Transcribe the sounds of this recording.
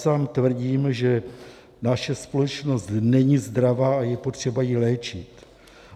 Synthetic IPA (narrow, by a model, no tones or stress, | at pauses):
saːmt̪vr̩ɟiːmʒɛ | naʃɛspolɛt͡ʃno̞st̪nɛɲizd̪ɾavaːajɛpo̞t̪r̝̥ɛbajilɛːt͡ʃɪt̪